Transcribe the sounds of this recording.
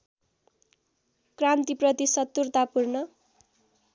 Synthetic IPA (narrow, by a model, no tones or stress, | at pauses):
krant̪iprʌt̪isʌt̪ːurt̪apurnʌ